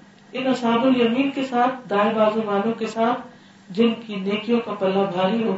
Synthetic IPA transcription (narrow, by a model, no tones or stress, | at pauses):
ɪnɐsaːbʊljɐmiːnkesaːt̪ʰd̪aːebaːzõmaːnũkesaːt̪ʰ | d͡ʑɪnkʰiːneːkʰijõkãpɐlãbʱaːɾiɦõː